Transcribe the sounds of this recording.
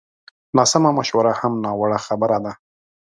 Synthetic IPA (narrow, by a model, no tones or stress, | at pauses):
nɑsamamaʃwaɾahamnɑwaɽaxabəɾad̪a